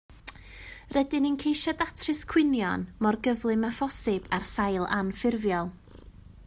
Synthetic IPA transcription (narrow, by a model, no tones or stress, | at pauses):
rʔɛdɪnənkʰejʃɔdatʰrɨskʰw̥ɪnjɔnmɔrɡəvlˠɨmafɔsɪbarsajlˠa̰nfɪrvjɔlˠ